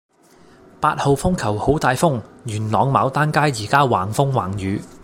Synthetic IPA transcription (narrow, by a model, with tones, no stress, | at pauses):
paː˧t̚ho˨wfʊ˥ŋkʰɐ˨˩who˨˥wt̪aː˧jfʊ˥ŋjyː˨˩nlɔː˨˧ŋmaː˨˧wt̪aː˥nkaː˥jiː˨˩kaː˥wa̰ː˨˩ŋfʊ˥ŋwaː˨˩ŋjyː˨˧